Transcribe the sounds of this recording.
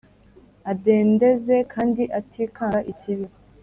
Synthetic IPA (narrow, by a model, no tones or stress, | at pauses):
adeːnde̞ze̞kʰaːndiʔatʰiːkaaʔiciβiɾ